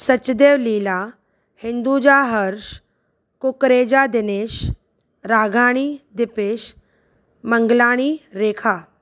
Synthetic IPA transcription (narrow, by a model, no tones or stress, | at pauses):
sɐt͡ʃːd̪eːʋliːlaː | hɪ̃nd̪uːd͡ʒaːɦəɾʃ | kʊkɾeːd͡ʒaːd̪ɪneːʃ | ɾaːɡʱaːɽ̃iːd̪ɪpeːʃ | məŋɡlaːɽ̃iːɾeːkʰaː